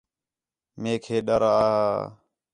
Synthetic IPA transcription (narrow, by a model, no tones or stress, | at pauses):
meːkʰeːɗəɾaaː